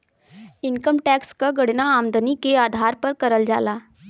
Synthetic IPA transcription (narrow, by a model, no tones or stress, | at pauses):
inkəmʈækskaɡəɽnaːmd̪ənikead̪ʱaɾpəɾkəɾəld͡za̰la